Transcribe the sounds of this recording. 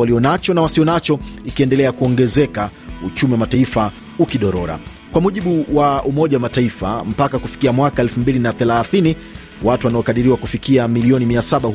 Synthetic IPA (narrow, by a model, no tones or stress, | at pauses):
waliɔnat͡ʃɔnawasiɔnat͡ʃɔikiɛndɛlɛakuɔŋɡɛzɛkaut͡ʃumiwamataifa | ukiɗɔɾɔɾa̰ | kwamuʄiɓuwaumɔʄawamataifa̰m̩pakakufi̥kiamwakaɛlfumbilinaθɛlaθini | watuwanaɔkaɗiɾiwakufikiamiliɔnimiasaɓa